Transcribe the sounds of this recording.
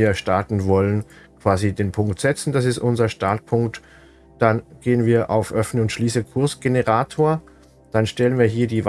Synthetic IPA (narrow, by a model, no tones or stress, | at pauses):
ɐʃtaɐtn̩vɔlən | kʰv̥aːzideːnpʰʊŋktz̥ɛt͡sn̩d̥as̬ɪstʔʊnzɐʃtaɐtpʰʊŋkt | d̥anɡ̥eːənviːɐʔa̰ʊfʔœfnəʊntʃliːsəkʰʊɐsɡ̥enəʁaːtʰoːɐ | d̥anʃtɛlənviːɐɦiːɐdiːv